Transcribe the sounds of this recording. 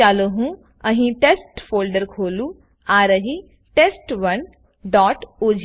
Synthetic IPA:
aːloɦũː | əɦĩʈeːsʈpʰoːlɖəɾkʰoːlũː | aːɾəɦi | ʈeːsʈʋɐn | ɖɔːʈoːd͡ʒ

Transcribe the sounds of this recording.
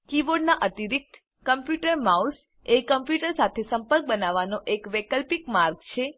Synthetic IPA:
kiʋoɖnaʔət̪iɾik̚t̪ | kəmpjuʈəɾmaus | ekəmpjuʈəɾsat̪ʰesəmpəɾk̚bənaʋanoʔekʋekəlpikmaɾɡt͡ʃʰe

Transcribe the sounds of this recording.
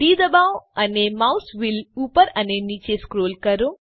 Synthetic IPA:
ɖiːd̪əbawənemawsʋilupəɾənenit͡ʃeskɾoːlkəɾo

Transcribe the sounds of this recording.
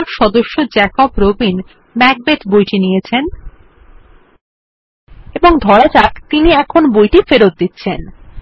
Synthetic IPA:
ɾʃɔd̪oʃːod͡ʑɛkobɾobin | mɛk̚bet̪bojʈinijet͡ɕʰen | eboŋd̪ʱɔɾat͡ɕakt̪iniɛkʰonbojʈifeɾot̪̚d̪it̪ːɕʰen

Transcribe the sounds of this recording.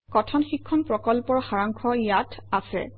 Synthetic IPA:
kɔtʰɔnxikʰːɔnpɹɔkɔlpɔɹxaɹaŋkʰɔjatʰasɛ̰

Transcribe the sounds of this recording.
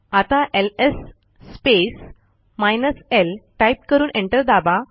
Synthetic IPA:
at̪aʔelesː | pes | majnəselʈajp̚kəɾuːnʔẽɳʈəɾd̪aba

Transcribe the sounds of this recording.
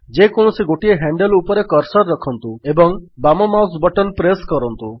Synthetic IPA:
d͡ʒekoɳ̃ɔsiɡoʈieɦaɳɖelupɔɾekɔɾsɔɾːɔkʰɔnt̪uebɔŋbamɔmaws̬bɔʈɔnpɾeskɔɾɔnt̪u

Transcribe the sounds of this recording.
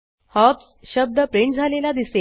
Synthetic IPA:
hɔps | ɕəb̚d̪əpɾeɳʈd͡zʱalelad̪ise

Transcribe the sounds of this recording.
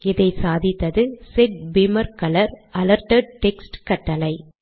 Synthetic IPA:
ɪðɐɪsaːðɪt̪ːɐðɯsɛʈ̚bɪmɐɾkɐlɐɾʔɐlɐɾʈɐɖ̚ʈɛksʈkɐʈːɐlɐɪ

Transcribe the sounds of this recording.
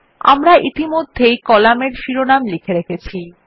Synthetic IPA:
a̰mɾaʔit̪imod̪ʱːejkɔlameɾʃiɾonamlikʰeɾekʰet͡ɕʰi

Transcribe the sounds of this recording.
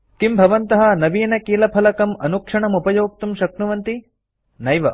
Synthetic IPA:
kimbʱɐʋɐnt̪ɐɦɐnɐʋiːnɐkiːlɐpʰɐlɐkɐmɐnukʂɐɳɐmupɐjoːk̚t̪umʃɐknuʋɐnt̪i | nɐjʋɐ

